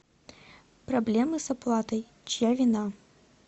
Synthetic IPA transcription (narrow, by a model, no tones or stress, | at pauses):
pɾablʲɛmɨsaplˠat̪ɐj | t͡ʃjavʲina